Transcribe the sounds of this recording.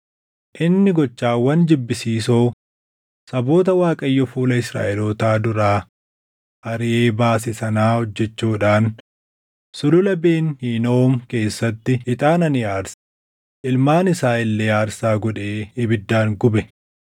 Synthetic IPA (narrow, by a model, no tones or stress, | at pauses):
ʔɪnːɪɡɔt͡ʃːaːwːɐnd͡ʒɪbːɪsiːsoː | sɐbo̞ːt̪̬ɐwaːkʼɐjːɔfuːlɐɪsɾa̰ːʔɛloːt̪aːd̪ʊɾaː | ʔɐɾɪʔe̞ːbaːs̬ɪsɐnaːhɔd͡ʒːɛt͡ʃːuːᶑaːn | sʊlʊlɐbeːnhiːno̞ːmke̞ːsːɐt̪ːɪɪt̪ʼaːnɐnɪaːɾs | ʔɪlmaːnɪsaːɪlːeːaːɾsaːɡɔᶑeːɪbɪd̪ːaːŋɡʊbɛ